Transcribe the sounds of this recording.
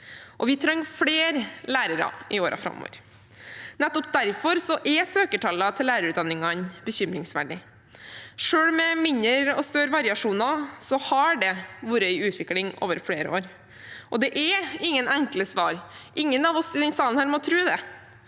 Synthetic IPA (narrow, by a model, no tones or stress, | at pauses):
ʔɔʋɪt̪ʰɾɑŋːfɽeːɾlæːɾəɾɑ̰ɪoːɾɑ̰fɾɑ̰mo̰ʋə̰ɾ | nɛt̪ːɔp̚d̪æɾfɔɾsɔʔɛsøːkəʈʰɑlːɑt̪ʰɪlːæːɾəɾʉt̪d̪ɑnːɪŋɑnbəçʏmɾɪŋsʋæ̰ɖɪ | ʂøːɽmɛmɪnːəɾɔst̪øːɾʋɑɾɪɑʂuːnɑsɔhɑɖɛʋuːɾəœʏʉːt̪ʰʋɪklɪŋo̰ːʋəɾfɽeːɾə̰o̰ːɾ | ʔɔd̪ɛʔɛɪŋːənɛŋkləsʋɑːɾʔɪŋːənɑʋɔsɪd̪ɛnsɑːənhæːɾmɔt̪ʰɾʉːd̪ɛ